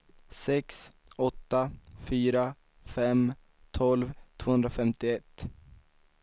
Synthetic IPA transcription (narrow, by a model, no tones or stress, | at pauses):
sɛks | ɔt̪ːafyːɾa | fɛm | t̪ʰɔlvt̪ʰv̥oːhɵnd̪ɾafɛmt̪ɪɛt̪ː